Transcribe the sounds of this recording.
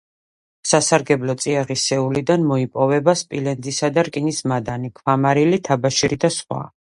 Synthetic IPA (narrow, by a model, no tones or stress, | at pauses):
sasaɾɡɛblɔt̪sʼiaʁisɛulid̪anmɔipʼɔvɛbaspʼilɛnd̪isad̪aɾkʼinismad̪anikʰvamaɾilit̪ʰabaʃiɾid̪asχwa̰